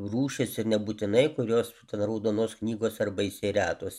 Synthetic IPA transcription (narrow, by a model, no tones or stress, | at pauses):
ruːʃʲɪsɪɾnʲɛbuːt̪ʲɪnɐɪkʊɾʲoːst̪ʲɛnɾɐʊd̪oːnoːsknʲiːɡoːsɐrbɐɪsʲɛɪɾʲæːt̪oːs